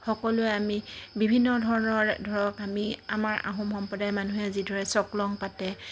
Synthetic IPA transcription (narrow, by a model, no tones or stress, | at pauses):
xɔkɔlʊɛamibibʱinːɔdʱɔɹɔnɔɹdʱɔɹɔkamia̰maɹa̰ɦɔmxɔmpɔdajmanuɦɛzidʱɔɹɛsɔklɔŋpatɛ